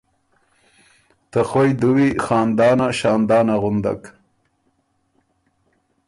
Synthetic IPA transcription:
t̪axojd̪uwixɑːnd̪ɑːnaʃɑːnd̪ɑːnaɣʊnd̪a̰k

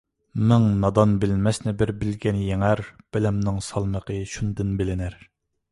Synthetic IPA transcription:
mɪŋnɑd̪ɑnbɪlmɛsnɪbɪɾbɪlɡʲɛnjeŋæɾb̥ɪlɛmnɪŋsɑlˠməqʰəʃund̪ɨnbɪlɪnɪɾ

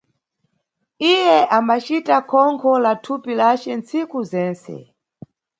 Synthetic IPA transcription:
ijɛʔambat͡ʃitakʰɔŋkʰɔlatʰupilat͡ʃɛnt͡sikuzɛːnsɛ̰

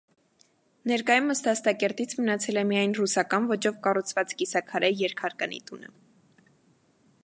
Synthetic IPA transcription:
nɛɾkɑjumːəst̪ɑst̪ɑkɛɾt̪it͡sʰmənɑt͡sʰɛlɛmijɑjnrusɑkɑnvɔt͡ʃɔvkɑrut͡sʰvɑt͡skisɑkʰɑɾʔɛjɛɾkʰɑɾkɑnḭt̪unə̰

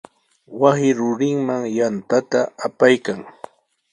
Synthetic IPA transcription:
wasɪɾʊɾɪŋmaŋjant̪at̪aːpajkaŋ

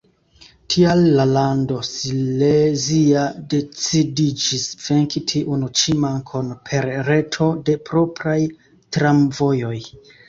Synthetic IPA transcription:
tʰialːalando̞sileziade̞t͡sidid͡ʒisve̞ŋkitʰiʔunut͡ʃimaŋkʰonpʰe̞ɾɾe̞tʰo̞de̞pɾo̞pɾaj | tɾamvo̞jo̞j

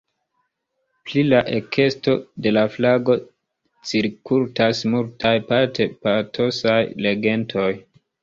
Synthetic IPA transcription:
plilaʔe̞kʰe̞sto̞de̞laflaɡo̞ | t͡siɾkultasmultʰajpatʰe̞patʰo̞sajle̞ɡe̞ntʰo̞j

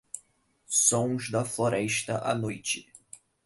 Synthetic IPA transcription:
sõw̃zd̪ɐfloɾɛʃt̪ɐʔa̰nojt͡ʃɪ

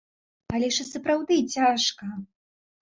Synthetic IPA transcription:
alʲɛʂɨsɐpɾawd̪ɨt͡sʲaʂkɐ

